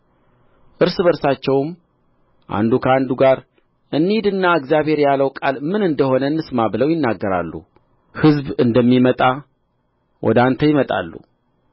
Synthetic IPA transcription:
ʔɨɾsɨβəɾsat͡ʃːɛwm | ʔa̰nd̪ukʰəand̪uɡaɾ | ʔɨnːid̪ɨnːaɨɡzjaβhe̞ɾjaləwkʼalmɨnɨnd̪əho̞nənːɨsmabɨləwjɪnːaɡːəɾa̰lːṵ | hɨzbɨnd̪əmːimət̪ʼa | wʔɔ̰d̪ant̪ʰəjɪmət̪ʼa̰lːṵ

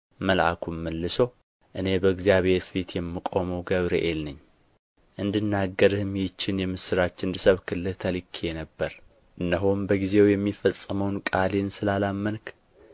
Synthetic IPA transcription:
məlʔa̰kʰumːəlːɨso | ʔɨne̞bəɨɡzijaβheɾfit̪jɛmːikʼo̞məwɡəβɾḛʔelnɨɲː | ʔɨnd̪ɨnːaɡːəɾhɨmjt͡ʃːɪnjɛmɨsɨɾat͡ʃːɪnd̪ɨsəβkʰɨlːɨlt̪ʰəlikʰːenəbːəɾ | ʔɨnːəɦombəɡize̞wjɛmːifəsʼːəməwnkʼalensɨlalamːənkʰ

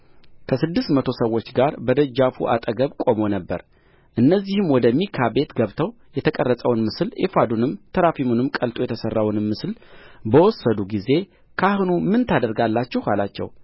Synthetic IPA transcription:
kʰəsɨd̪ːɨst̪mət̪ʰo̞səwːo̞t͡ʃːɡaɾbəd̪əd͡ʒːafuʔa̰t̪ʼəɡəβkʼo̞mo̞nəbːə̰ɾ | ʔɨnːəzːihɨmwɔd̪əmikʰabe̞t̪ɡəβt̪ʰəw | jɛt̪ʰəkʼərːəsʼəwnmɨsɨlefad̪unɨmt̪ʰəɾafimunɨmkʼəlt̪ʼojɛt̪ʰəsərːawnmːɨslbəwɔsːəd̪uɡize̞ | kʰahɨnumɨnt̪ʰad̪əɾɡalːat͡ʃːɛhalat͡ʃːɛ̰w

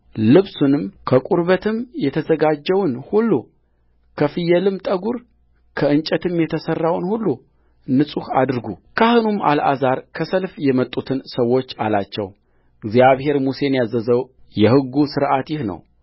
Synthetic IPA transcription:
lɨβsunɨmkʰəkʷʼuɾβət̪ʰɨmjɛt̪ʰəzəɡad͡ʒːɛwnhulːu | kʰəfɨjːɛlɨmt̪ʼəɡuɾ | kʰəɨnt͡ʃʼɛt̪ʰɨmjɛt̪ʰəsərːawnhulːu | nɨsʼuhad̪ɨɾɡukʰahɨnumʔa̰lʔa̰zaɾkʰəsəlfjɛmət̪ʼːut̪ʰɨnsəwːo̞t͡ʃːalat͡ʃːɛw | ɨɡzjaβhe̞ɾmuse̞njazːəzəwjɛhɨɡːusɨɾʔat̪jɪhnə̰w

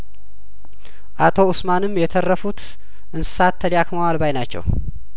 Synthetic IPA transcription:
ʔat̪ʰo̞ʊsmanɨmjɛt̪ʰərːəfut̪ | ʔɨnsɨ̥sat̪ʰːəliakəmawalbajnat͡ʃːɛ̰w

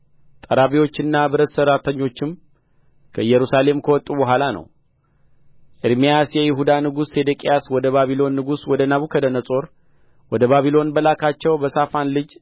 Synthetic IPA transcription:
t̪ʼəɾaβiwo̞t͡ʃːɪnːabɨɾət̪səɾat̪ʰəɲːo̞t͡ʃːɪm | kʰəjːɛɾusale̞mkʰəwɔt̪ʼːubəɦʷalanə̰w | ʔɪɾmijasjɛjɪɦud̪anɨɡusːe̞d̪əkʼijaswɔd̪əβaβilo̞nːɨɡuswɔd̪ənaβukʰəd̪ənəsʼo̞ɾ | wɔd̪əβaβilo̞nbəlakʰat͡ʃːɛwbəsafanlɨd͡ʒ

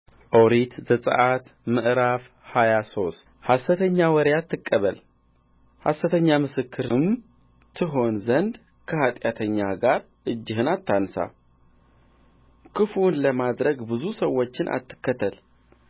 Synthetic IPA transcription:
ʔoɾit̪zəsʼə̰ʔat̪mɨʔɾaf | hajaso̞st̪ | hasːət̪ʰəɲːawɔɾjat̪ʰːɨkʼːəβəl | hasət̪ʰəɲːamɨsɨkʰːɨɾɨm | t̪ʰɨɦo̞nzənd̪ | kʰəhat̪ʼjat̪ʰəɲːaɡaɾ | ʔɨd͡ʒːɪhɨnat̪ʰːansa̰ | kʰɨfunləmad̪ɾəɡbɨzusəwːo̞t͡ʃːɪnʔa̰t̪ːɨ̥kːət̪ʰːəl

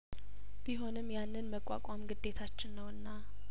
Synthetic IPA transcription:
b̥iɦo̞nɨmːjanːɨnməkʼːa̰kʷʼamɡɨd̪ːe̞t̪ʰat͡ʃːɪnːəwɨnːa

